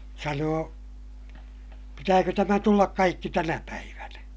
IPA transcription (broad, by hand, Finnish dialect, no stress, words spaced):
sɑnoː pitæːkø tæmæ tulːɑk kɑikːi tænæpæiʋænæ